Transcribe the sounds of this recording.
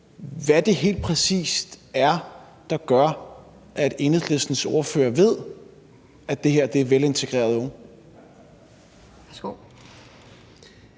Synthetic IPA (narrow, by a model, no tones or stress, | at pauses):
ʋæd̥e̝ɦe̝̰ːld̥̚pʰʁɛsḭːsd̥æɐ | d̥ɑ̈ɡ̥ɶɐ̰ | ʔæd̥e̝nð̩ˠlesd̥n̩so̝ɐføːɐʋe̝ð̞̰ˠ | æd̥e̝ɦeɐ̰d̥e̝æɐʋele̝nt͡sʰe̝ɡ̥ʁḛːɐð̞̩ˠɔ̽ŋ | sɡ̥o